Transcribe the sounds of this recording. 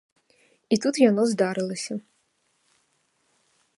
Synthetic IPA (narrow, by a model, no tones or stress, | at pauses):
it̪ut̪janɔzd̪aɾɨlˠɐsʲɐ